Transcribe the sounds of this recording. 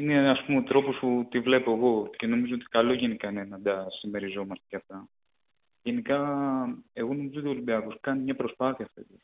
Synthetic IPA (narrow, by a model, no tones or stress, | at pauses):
ineɐspumeot̪ɾo̞po̞sput̪ivle̞po̞e̞ɣo̞ce̞no̞mizoot̪i̥kɐlo̞ʝe̞nikɐnenɐd̪ɐsime̞ɾizo̞mɐst̪ecɐft̪ɐ | ʝe̞nikɐ | e̞ɣo̞no̞mizot̪iolimbiɐkoskɐnimɲɐpɾo̞spɐθiɐft̪et̪i